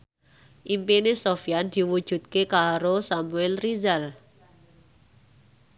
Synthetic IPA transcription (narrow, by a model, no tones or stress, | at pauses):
ʔimpinesofijand̪̥i̤wud̥ʒ̥ṳt̪̚kekaɾosamuɛlrizal